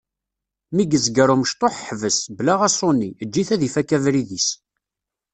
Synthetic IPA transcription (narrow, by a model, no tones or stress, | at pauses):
miɡəzɡəɾuməʃt̪ˤoħħvəsblaʁæsˤonːiəd͡ʒːiθæðifækːævɾiðis